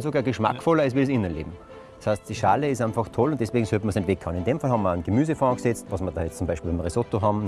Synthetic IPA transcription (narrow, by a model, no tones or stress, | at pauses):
nsoɡaːɐɡəʃma̰kfɔlɐɪs̬ʋiːɾsɪnənlḛːbm̩̥ | shast̚d̥iːʃaːləɪs̬ãɪnfɑxtʰɔlʊntd̥ɛsʋ̥eːɡŋ̩søptməɐsnɛntʋɛkʰːaʊnɪndeːmfalhɑbmːɐənɡ̥emyːzəfanɡsɛt͡stʋɑsmɐdɑːjɛt͡st͡sʊmbaɪʃpiːbɛmʁesotoɦɑm